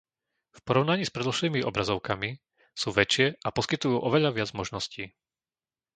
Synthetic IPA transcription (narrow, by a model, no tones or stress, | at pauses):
fpɔɾɔʊnaɲiːspɾɛd̪l̩ʃliːmiʔɔ̰bɾazɔʊkami | suːʋɛt͡ʃɪɛʔapɔskit̪ujuːʔɔʋɛʎaʋɪad͡zmɔʒnɔsciː